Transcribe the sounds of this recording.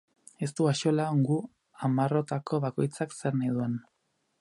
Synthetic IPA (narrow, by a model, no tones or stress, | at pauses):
e̞s̬t̪uaʃo̞laoŋɡu | amaro̞t̪ako̞βako̞jt͡sakse̞ɾnajðue̞n